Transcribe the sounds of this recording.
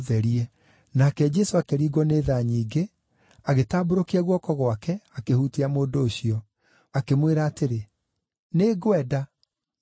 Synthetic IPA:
ðɛɾiɛ | nakɛd͡ʒɛsoakeɾiːɡwɔneðaɲiːɡe | aɣetaːboɾokiaɣwɔkɔɣwakɛakehuteamoːdoːɕiɔ | akemweɾaːteɾe | neːɡwɛda

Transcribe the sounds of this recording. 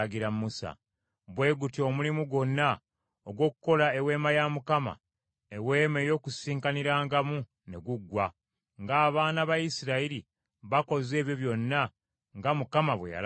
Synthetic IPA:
ɡiɾammusa̰ | βwe̞ːɡutio̞mulimuɡo̞nːa | oɡwo̞ːku̥ko̞lae̞we̞ːmajamukama̰ | ewe̞ːme̞jo̞kusiːŋkaniɾaːŋɡamu | ne̞ɡuɡwa | ŋɡaːβaːnaβajisiɾaiɾi | βako̞ze̞ːβjo̞βjo̞nːa | ŋɡamukamaβwḛja̰l

